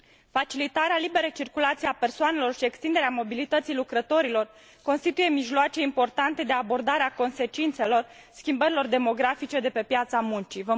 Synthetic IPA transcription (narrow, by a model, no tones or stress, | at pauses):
fat͡ʃilit̪aɾealibe̞ɾejt͡ʃirkulat̪sieape̞rsoane̞lo̞rʃie̞kst̪ind̪eɾeamo̞bilit̪ət̪sijlukɾət̪o̞ɾilo̞r | ko̞nst̪it̪uje̞miʒloat͡ʃe̞impo̞rt̪ant̪e̞d̪e̞abo̞rd̪aɾeako̞nse̞t͡ʃint̪se̞lo̞rskʲimbəɾilo̞rd̪e̞mo̞ɡɾafit͡ʃe̞d̪e̞pe̞pjat̪samunt͡ʃivə